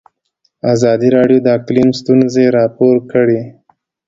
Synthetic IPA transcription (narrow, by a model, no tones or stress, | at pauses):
azɑd̪iɾɑɖjod̪əklimst̪unzeɾɑpoɾkəɽe